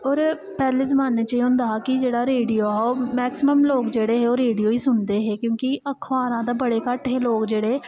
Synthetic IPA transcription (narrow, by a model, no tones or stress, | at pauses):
ɔːɾ | pɛːleːzəmaːneːt͡ʃaːiõnd̪aːaːkɪd͡ʒeːɽaːɾeːɖioːɦoːmɛːksɪməmloːkd͡ʒeːɽeːɦeːoːɾeːɖijoːiːsʊɳd̪eːɦeːkjõːkiʔəkʰʋaːɾãːd̪eːbəɽeːkəʈɦeːloːkd͡ʒeːɽeː